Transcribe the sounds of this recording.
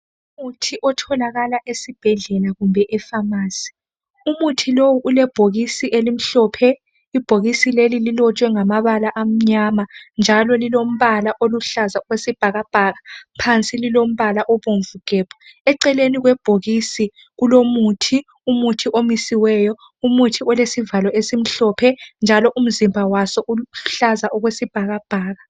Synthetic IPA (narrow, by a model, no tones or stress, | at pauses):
umutʰiʔɔtʰɔlaɣalaʔesib̥ʱɛɮɛlaɣumbʱɛʔɛfamaːsi̥ | umutʰilowuʔulɛb̥ʱoɣisiʔelim̩ɬɔːpʰɛ | ib̥ʱoɣisilelililɔt͡ʃʼwɛŋamaβalaʔam̩ɲamand͡ʒʱalɔlilom̩βalaʔoluɬazawesib̥ʱaɣab̥ʱaɣapʰant͡sʼililom̩βalaʔɔβoɱvukʼɛːpʰɔ̥ɛǀɛleniɣwɛb̥ʱoɣisi | ɣulomutʰi | umutʰiʔomisiwɛjɔ | umutʰiɔlesivalɔʔesim̩ɬɔpʰɛnd͡ʒʱalɔʔum̩zimbʱawasɔʔuɬazaʔɔɣwesib̥ʱaɣab̥ʱaːɣa